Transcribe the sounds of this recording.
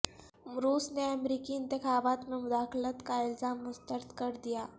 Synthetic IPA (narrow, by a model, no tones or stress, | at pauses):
mɾuːsneəmɾikiːnt̪ɪxaːbat̪memʊd̪aːxlət̪kaɪlzaːmːʊst̪əɾd̪kəɾd̪ija